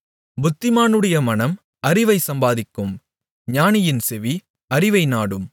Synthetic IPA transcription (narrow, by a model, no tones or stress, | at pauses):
bʊt̪ːɪmaːnɯɽɐjɐmɐnɐm | ɐɾɪʋɐɪsɐmbaːðɪkːɯm | ɲaːnɪjɪnsɛʋi | ɐɾɪʋɐɪnaːɽɯm